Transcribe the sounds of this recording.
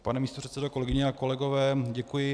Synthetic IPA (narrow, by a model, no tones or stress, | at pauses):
panɛmiːst̪or̥ɛt̪sɛdokolɛɡɪɲɛako̞lɛɡovɛːɟɛkujɪ